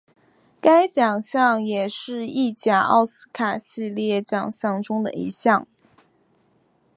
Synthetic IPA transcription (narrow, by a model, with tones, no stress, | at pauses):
ka˥ɪt͡ɕjɑ˨˩ŋɕjɑ˥˩ŋjɛ˨˩ʂɻ̩˥˧i˥˧t͡ɕja˨˩ɑ̰˥˩ʊsɹ̩˥kʰa˨˩ɕi˥˧ljɛ˥˩t͡ɕjɑ̰˨˩ŋɕjɑ˥˩ŋʈ͡ʂʊ˥ŋd̪ə̰˨ḭ˧˥ɕjɑ˥˩ŋ